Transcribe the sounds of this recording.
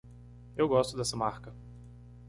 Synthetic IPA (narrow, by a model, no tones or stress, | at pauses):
ewɡɔst̪ʊd̪ɛsɐmaɾkɐ